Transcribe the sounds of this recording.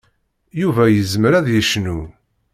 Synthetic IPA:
juvæjəzməɾæðjəʃnu

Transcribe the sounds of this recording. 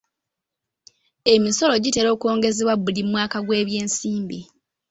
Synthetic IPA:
e̞miso̞lo̞ɟiteːɾo̞ːko̞ːŋɡe̞zeβwaβulimwaːkaɡwe̞ːβje̞ːnsiːmbi

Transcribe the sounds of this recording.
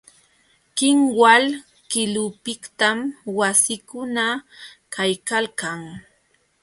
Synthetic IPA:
kɪŋwal | kɪlʊpɪkt̪amwasɪkʊna | kajkalkaŋ

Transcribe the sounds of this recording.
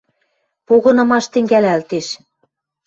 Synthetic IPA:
poɣɤ̆nɤ̆mɑʃt̪ɘ̆ŋɡælælt̪eʃ

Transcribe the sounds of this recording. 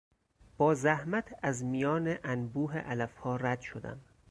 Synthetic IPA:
b̥ɒːzæhmæt̪ʰæzmijɒːneʔænbuːɦḛʔælæfhɒːræd̪̥ʃod̪æ̰m

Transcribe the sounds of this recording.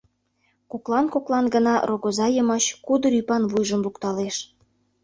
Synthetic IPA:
koklˠɑnkoklˠɑnɡə̆nɑroɣozɑjə̆mɑɕkud̪ə̆ɾypɑnβujʒəmlukt̪ɑleʃ

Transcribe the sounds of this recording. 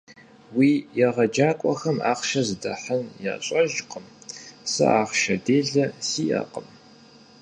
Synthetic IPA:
wiːjɛʁɐd͡ʒaːkʷʼɔxɐma̰ːqʃɐzɨdɐħənja̰ːɕʼɐʒqəmsɨ̰aːχʃɐdeːɮɐsiːjɐ̰qəm

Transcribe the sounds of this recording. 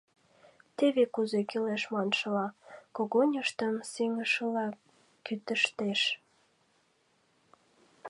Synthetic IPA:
t̪eβekuzekileʃmɑnʃəlɑkoɣonʲəʃt̪əmsiŋəʃəlɑ | kyt̪əʃt̪eʃ

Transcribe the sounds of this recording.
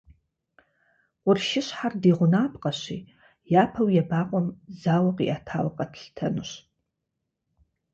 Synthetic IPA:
qʷʊrʃɪɕħardiːʁʷʊnaːpʰʼqʼɐɕḭː | jaːpʰɐwjabaːqʷʼɔmzaːwɐqʼḭʔaːtʰaːwqʼɐtʰɬtʰɐnɨɕ

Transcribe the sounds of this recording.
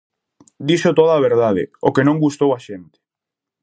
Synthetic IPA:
d̪iʃot̪oðaːβ̞eɾðaðɪ̰okenõŋɡust̪owaʃent̪ɪ̥

